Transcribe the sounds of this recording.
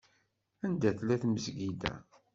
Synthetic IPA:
ænd̪æθlæθməzɡid̪æ̰

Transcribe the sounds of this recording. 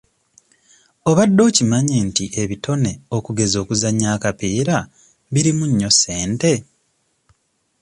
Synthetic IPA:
o̞βadːo̞ːcimaɲentiʔe̞βitʰo̞ne̞o̞kuɡe̞zo̞ːkuzaɲːaːkapiːɾa | βiɾimuɲːo̞se̞ːnte̞

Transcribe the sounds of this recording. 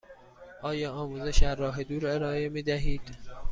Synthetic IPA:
ʔɒːjɒːɒːmuːze̞ʃæɾːɒːɦed̪uːɾe̞ɾɒːe̞miːd̪æɦiːd̪̥

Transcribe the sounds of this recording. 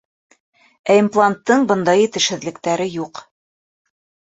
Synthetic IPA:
æimplˠant̪ːɤɴbɤ̆nd̪ɑjit̪ɘ̆ʃhɘ̆ðlɘ̆kt̪æɾɘjuq

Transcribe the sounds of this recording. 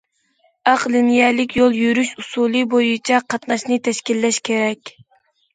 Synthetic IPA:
ɑqlɪnjɛlɪkʲjolˠjyɾyʃusulˠɨbojut͡ʃʰɛqʰɑt̪nɑʃnɨt̪ʰɛʃkʲilːɛʃkʲʰeɾɛkʲ

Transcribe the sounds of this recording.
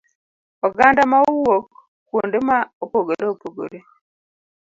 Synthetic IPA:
oɡaːndamauwo | kuːndimaopoɡoɾeopoɡo̰ɾe

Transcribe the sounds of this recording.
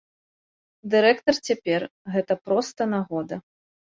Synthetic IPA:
d̪ɨɾɛkt̪ɐrt͡sʲapʲɛrɣɛt̪ɐpɾɔst̪ɐnaɣɔd̪ɐ

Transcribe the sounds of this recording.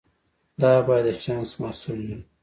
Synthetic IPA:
d̪ɑbɑjad̪ːət͡ʃɑːnsmɑsulna

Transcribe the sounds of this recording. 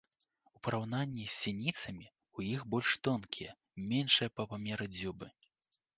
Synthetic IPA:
upɐɾawnanʲːisʲːinʲit̪sɐmʲi | ujixbɔlʲʂt̪ɔnkʲʰijɛ | mʲɛnʂɨjɐpɐpamʲɛɾɨd͡zʲubɨ

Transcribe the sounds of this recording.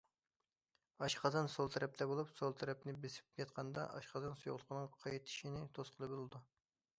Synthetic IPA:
ɑʃqʰɑzɑnsolˠt̪ʰɛɾɛp̚t̪ʰɛbolˠupsolˠt̪ʰɛɾɛpnɪbesɪ̥p̚kʲɛt̪̚qʰɑnd̪ɑ̰ʔɑ̰ʃqɑzɑnsojoʁlˠəqʰənɨŋqʰɑjit̪ʰːi̥ʃinɪt̪ʰosqʰəlˠɨbɨlˠɨd̪u

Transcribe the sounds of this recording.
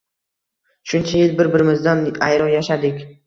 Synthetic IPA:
ʃʊnt͡ʃʰajɪlbɪɾbɪɾɪmɪzd̪ana̰jɾɒjaʃad̪ɪkʲ

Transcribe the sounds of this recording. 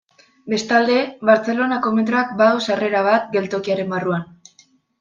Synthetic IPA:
be̞st̪ald̪e̞βaɾt͡se̞lo̞nako̞met̪ɾoak̚bawsare̞ɾaβ̞at̪̚ɡe̞lt̪o̞kiaɾe̞mbaruan

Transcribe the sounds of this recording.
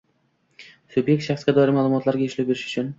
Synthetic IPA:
sʊbje̞k̚ʲt̪ʃaχsɡʲad̪ɒɪɾɪmaːlˠʊmɒt̪ʰlaɾɡʲaʊʃlap̚be̞ɾɪʃʊ̥t͡ʃʰʊn

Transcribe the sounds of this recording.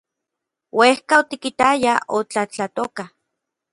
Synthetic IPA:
wehkaot̪ikit̪ajaʔot͡ɬat͡ɬat̪oka

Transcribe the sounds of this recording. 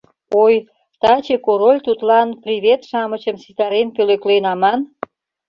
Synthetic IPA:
oj | t̪ɑt͡ɕekoɾolʲt̪ut̪lɑnprʲiβet̪ʃɑmət͡ɕəmsit̪ɑɾenpøløklejnɑmɑn

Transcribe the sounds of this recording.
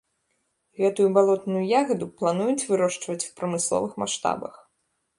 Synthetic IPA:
ɣɛt̪ujubalˠɔt̪nujujaɣɐd̪uplˠan̪ujut͡sʲvɨɾɔʂt͡ʂvɐt͡sʲw̥pɾɐmɨslˠɔ̰vɨxma̰ʂt̪a̰bɐ̰x

